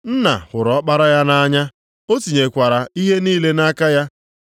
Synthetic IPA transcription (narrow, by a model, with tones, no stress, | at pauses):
n̩˦na̰˨hʊ˨ɾɔ˨˦k͡pa˦ɾa˦ja˦na˦ɲa˦ | o˦ti˨ɲe˨kʷa˨ɾa˨i˦ɦe˦niː˦le˦na˦ka˦ja˦